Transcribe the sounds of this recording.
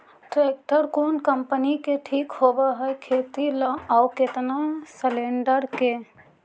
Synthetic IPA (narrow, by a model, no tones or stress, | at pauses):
ʈɾeːk̚ʈəɾkoːnkəmpənikeʈʰiːkhoːbaɦɛkʰeːt̪ilãaʊkɪt̪nasəlẽːɳɖəɾke